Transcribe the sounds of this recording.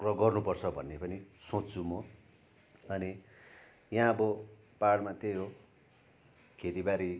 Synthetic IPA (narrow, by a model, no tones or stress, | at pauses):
rʌɡʌrnupʌrt͡sʰʌbʱʌ̰nːepʌnisõtːt͡sʰumo | ʌni | jãʌbʌ | paɽmat̪ejɦo | kʰet̪ibaɾi